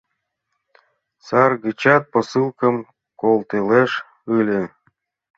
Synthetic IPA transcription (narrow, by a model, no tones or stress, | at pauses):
sɑrɡət͡ɕɑt̪̚posɨlˠkə̆m | kolˠt̪eleʃ | ɯlʲe